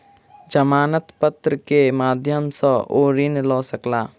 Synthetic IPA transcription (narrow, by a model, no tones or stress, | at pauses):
d͡ʒəmaːnət̪pət̪ɾəkemaːd̪ʱjəmsəʔoːɾinlɔːsəklaː